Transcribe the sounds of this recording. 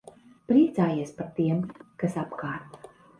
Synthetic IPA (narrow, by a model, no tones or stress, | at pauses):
pɾiɛt̪saːjiɛspaɾt̪iɛmkasapkaːɾt̪